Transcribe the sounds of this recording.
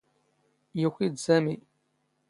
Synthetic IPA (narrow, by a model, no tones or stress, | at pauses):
jəçid̪zæmi